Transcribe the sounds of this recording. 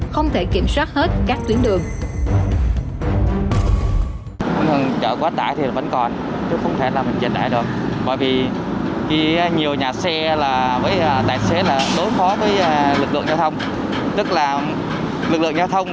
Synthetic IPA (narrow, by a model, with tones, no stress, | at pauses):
xə˧wŋ͡mt̪ʰe˧˩ki˧˩mswaː˦˥t̚he˦˥t̚kaː˦˥k̚t̪wi˨˦ənɗɨ˨˩əŋ˧ | ə˨˩nt͡ɕə̰ː˧˨˩kwaː˨˦t̪aː˧˩˨jt̪ʰi˨˩la˨˩və̰˧˥nkɔ˨˩n | t͡ɕə˨˦xə˧wŋ͡mt̪ʰe˧˩laː˨˩mï˨˩ŋ̟t͡ɕi˨˩nt̪a̰ː˧˨jɗɨ˨˩ək̚ɓɔ̰˧˨jvi˨˩ | ki˧ɲi˨˩əwɲaː˨˩sɛ˧laː˨˩vəː˨˦jt̪a̰ː˧˨jse˨˦laː˨˩ɗo˨˦jfɔ˨˦vəː˨˦jlɨ˨˩k̚lɨ̰˧˨əŋzaː˧wt̪ʰə˧wŋ͡m | t̪ɨ˦˥k̚laː˨˩ | lɨ˨˩k̚lɨ̰˧˨əŋza˧wt̪ʰə˧wŋ͡m